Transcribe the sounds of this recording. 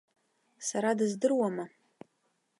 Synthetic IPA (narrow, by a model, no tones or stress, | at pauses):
saɾadɨzdɨrwama